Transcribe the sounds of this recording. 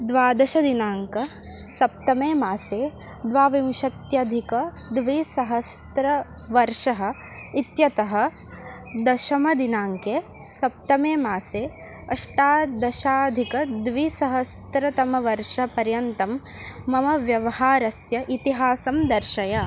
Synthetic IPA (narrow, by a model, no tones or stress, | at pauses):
d̪ʋaːd̪ɐʃɐd̪inaːŋkɐ | sɐp̚t̪ɐmeːmaːseː | d̪ʋaːʋimʃɐt̪jɐd̪ʱikɐ | d̪ʋiːsɐɦɐst̪ɾɐ | ʋɐɾʂɐɦɐ̆it̪jɐt̪ɐɦɐ̆ | d̪ɐʃɐmɐd̪inaːŋkeː | sɐp̚t̪ɐmeːmaːseː | ɐʂʈaːd̪ɐʃaːd̪ʱikɐd̪ʋisɐɦɐst̪ɾɐt̪ɐmɐʋɐɾʃɐpɐɾjɐnt̪ɐmː | ɐmɐʋjɐʋɐhaːɾɐsjɐʔit̪iɦaːsɐmd̪ɐɾʃɐjɐ